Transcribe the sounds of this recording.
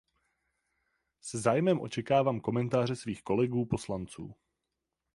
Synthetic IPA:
sɛzaːjmɛmʔo̞̰t͡ʃɛkaːvaːmko̞mɛnt̪aːr̝ɛsviːxko̞lɛɡuːpo̞slant͡sṵː

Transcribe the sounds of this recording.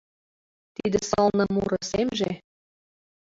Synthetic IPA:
t̪id̪ĕsɤlnɤ̆muɾɤ̆semʒe

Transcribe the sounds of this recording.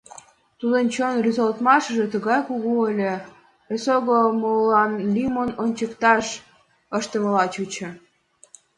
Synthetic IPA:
t̪ud̪ənt͡ɕonryzolt̪mɑʃəʒĕt̪əɣɑjkuɣuəlʲĕ | esoɣomolɑnlʲimonont͡ɕəkt̪ɑʃ | əʃt̪əməlɑt͡ɕut͡ɕə̆

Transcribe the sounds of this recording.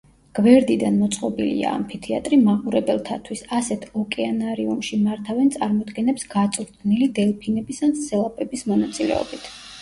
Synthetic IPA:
ɡ̥vɛɾd̪id̪anmɔt̪sʼqʼɔbilḭa̰ːmpʰit̪ʰia̰t̪ʼɾimaqʼuɾɛbɛlˠt̪ʰat̪ʰwisasɛt̪ʰɔkʼɛanaɾiumʃimaɾt̪ʰavɛnt̪sʼaɾmɔd̪ɡɛnɛpsɡat̪sʼɾt̪ʰnilid̪ɛlˠpʰinɛbisanssɛlˠapʼɛbismɔnat̪sʼilɛ̰ɔ̰bit̪ʰ

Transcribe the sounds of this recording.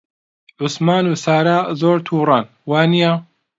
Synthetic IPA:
ʕʊsmaːnusaːɾaːzoːɾt̪ʰuːɾˤɑn | waːnija

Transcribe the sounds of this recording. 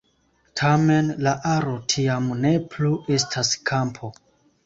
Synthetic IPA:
tʰame̞nlaʔaɾo̞tʰiamne̞pluʔe̞stʰaskʰampʰo̞

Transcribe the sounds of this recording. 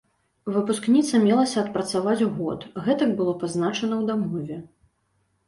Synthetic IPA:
vɨpusknʲit̪sɐmʲɛlˠɐsʲɐːt̪̚pɾɐt̪savat͡sʲuɣɔ̰t̪ɣɛt̪ɐkbɨlˠɔpaznat͡ʂɐnɐwd̪amɔvʲɛ

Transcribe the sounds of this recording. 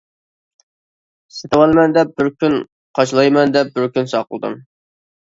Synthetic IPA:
set̪ɨwɑlˠmɛnd̪ɛp̚bɪɾkʲyn | qʰɑʃlˠɑjmɛnd̪ɛp̚bɪɾkʲynsɑqʰəlˠd̪ɨ̰m

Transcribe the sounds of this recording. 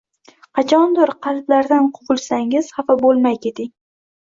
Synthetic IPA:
qʰɑt͡ʃʰɒnd̪ʊɾqʰɑlblaɾd̪anqʰʊʁʊlˠsaŋɪz̥hɑfabolˠmajkʲʰe̞t̪ʰɪŋ

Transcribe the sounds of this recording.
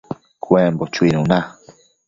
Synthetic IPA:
kwembot͡ʃuinũna

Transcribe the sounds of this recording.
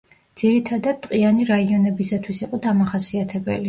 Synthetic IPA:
d̪z̥iɾit̪ʰad̪ad̪̚t̪ʼqʼianiɾaiɔnɛbisat̪ʰwisiqʼɔd̪amaχasiat̪ʰɛbɛ̰li

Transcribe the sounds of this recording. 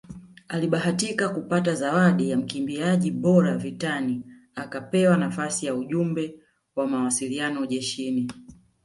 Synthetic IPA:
aliɓaɦatikakupatazawaɗijam̩kimbiaʄiɓɔɾavitani | akapɛwanafasijauʄumbɛ | wamawasilianɔʄɛʃini

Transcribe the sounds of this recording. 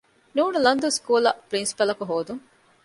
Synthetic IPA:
nuːnulɐnd̪uskuːlɐpɾinsi̥pɐlɐkuɦoːd̪uŋ

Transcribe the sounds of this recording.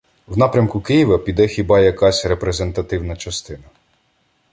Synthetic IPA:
wnɑpɾʲɐmkʊkɪjiʋɐpʲid̪ɛxʲibɑjɐkɑsʲrepɾe̞zent̪ɐt̪ɪwnɐt͡ʃɐst̪ɪnɐ

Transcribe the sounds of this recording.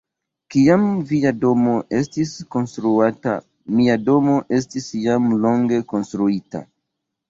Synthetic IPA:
kiamviado̞mo̞ʔe̞stisko̞nstɾuata̰ | miado̞mo̞ʔe̞s̬tisjamlo̞ŋɡe̞ko̞nstɾuita̰

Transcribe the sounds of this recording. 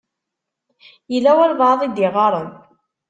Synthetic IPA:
jəlːæwæɾvɑðˤid̪ɪʁɑɾˤən

